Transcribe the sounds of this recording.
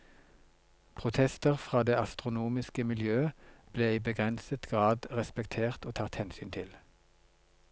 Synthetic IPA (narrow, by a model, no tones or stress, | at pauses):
pʰʁʊt̪ʰɛst̪əʁfʁɑːd̪eːɑst̪ʁʊnuːmɪskəmɪljøːəb̥leːiːbəɡʁɛnsət̪ɡ̥ʁɑːd̪ʁɛspɛkt̪ʰeːʁt̪oːt̪ʰɑt̪hɛnsyːnt̪ʰɪl